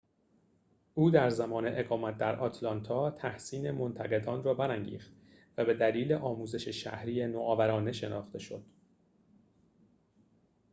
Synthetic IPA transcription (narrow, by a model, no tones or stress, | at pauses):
ʔuːd̪æɾzæmɒːne̞ʔeɣɒːmæt̪̚d̪æɾʔɒt̪ʰlɒnt̪ʰɒːt̪ʰæhsiːne̞mo̞nt̪ʰæɣe̞d̪ɒːnrɒːbæɾæŋɟḭːxt̪ | væbe̞d̪æliːleʔɒːmuːze̞ʃeʃæ̰hɾiːjenoʔɒːvæɾɒːne̞ʃe̞nɒ̰ːxt̪e̞ʃo̞̰d̪̥